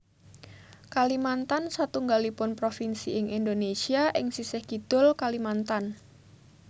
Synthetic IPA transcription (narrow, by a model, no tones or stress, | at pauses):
kalimant̪ansat̪uŋɡalipʊnpɾofinsiɪŋʔindonesiaʔɪŋsisɪhɡ̥id̪̥ʊlkalimant̪an